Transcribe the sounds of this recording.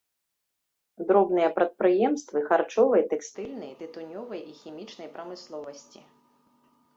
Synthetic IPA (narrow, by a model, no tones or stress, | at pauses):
d̪ɾɔbn̪ɨjɐpɾɐt̪̚pɾɨjɛmst̪vɨxart͡ʂɔvɨjɐt̪ɛkst̪ɨlʲnɐjt̪ɨt̪unʲɔvɐjixʲimʲit͡ʂnɐjpɾɐmɨslˠɔvɐsʲt͡sʲi